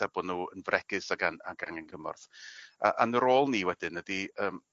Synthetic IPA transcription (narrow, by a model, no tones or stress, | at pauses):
abɔnuːənvrʔɛɡ̥ɨsaɡana̰ɡanankʰəmɔ̰rθa̰ʔanəɾoːlˠniːwɛdɨnːədiəːm